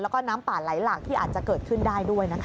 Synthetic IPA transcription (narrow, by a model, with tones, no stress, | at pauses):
lɛː˦˥wkɔː˥˩naː˦˥mpaː˨˩laː˩˦jlaː˨˩k̚t̪ʰiː˥˩ʔaː˨˩t̪̚t͡ɕa˨˩kɤː˨˩t̪̚kʰɯ˥˩ndaː˥˩jdu˥˩əjna˦˥kʰ